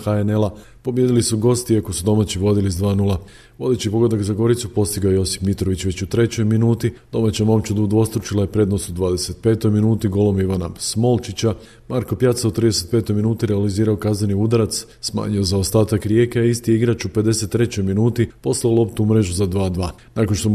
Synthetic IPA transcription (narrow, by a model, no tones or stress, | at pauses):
xaene̞la | po̞bje̞d̪ilisuɡo̞ːst̪iiako̞sud̪o̞mat͡ɕiʋo̞d̪ilizd̪ʋaːnulˠa | ʋo̞d̪e̞t͡ɕipo̞ɡod̪akzaɡo̞ɾit̪supo̞st̪iɡaojjo̞si̥pmit̪ɾo̞ʋit͡ɕʋe̞t͡ɕut̪ɾe̞t͡ɕo̞jminuːt̪id̪̥o̞mat͡ɕamo̞mt͡ɕud̪ud̪o̞st̪ɾut͡ʃilajepɾe̞ːd̪no̞sud̪ʋaːd̪e̞se̞t̪̚pe̞ːt̪o̞jminuːt̪iɡo̞lˠo̞miʋanasmo̞lt͡ʃit͡ɕa | maɾko̞pjaːt̪saut̪ɾid̪e̞se̞t̪pe̞ːt̪o̞jminuːt̪iɾealiziːɾaokazneniud̪aɾat̪s | sma̰ːɲiozaost̪aːt̪akɾje̞ːkeaist̪ijeiɡɾat͡ʃupe̞d̪e̞se̞t̪ːɾe̞t͡ɕo̞jminuːt̪ipo̞slaolo̞pt̪uumɾe̞ʒuzad̪ʋaːd̪ʋaː | nakonʃt̪o